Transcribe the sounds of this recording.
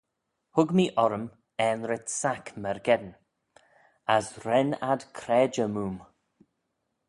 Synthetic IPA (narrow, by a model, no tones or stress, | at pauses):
hʊɡmiʔɔɾəm | ɛːnɾɪt̪sakməɹɡɛd̪n | asɾɛna̰d̪kʰɾɛːd͡ʒəmuːm